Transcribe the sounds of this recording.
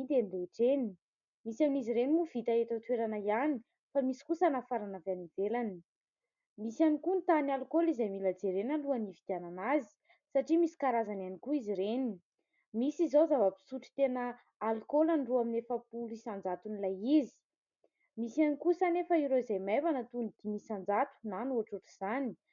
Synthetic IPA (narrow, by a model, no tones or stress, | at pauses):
d̪enileʈ͡ʂeni | misaminiziɾenimuv̥it̪aet̪at̪weɾanajani | famisi̥kusanafaɾanavanivelani̥ | misanikunt̪analkolizajmilad͡zeɾenəluanivid̪iananazi̥ | saʈ͡ʂimisi̥kaɾazananikuiziɾeni | misizozavəpi̥suʈ͡ʂi̥t̪enəː | lkolaɳɖ͡ʐoaminefəpulisand͡zat̪unilajizi̥ | misanikusanefəiɾoizajmajvanət̪unid̪̥imisand͡zat̪u̥nanuaʈ͡ʂuʈ͡ʂiz̥ani̥